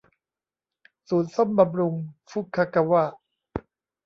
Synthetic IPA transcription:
suː˩˦n̚so˥˩mba˧mɾu˧ŋfu˦˥kʰːa˦ka˧waː˥˩

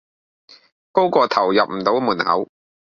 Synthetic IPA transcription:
ko˥wkʷɔː˧t̪ʰɐ˨˩wjɐ˨p̚m̩˨˩t̪o˨˧˥wmuː˨˩nhɐ̰˨˥w

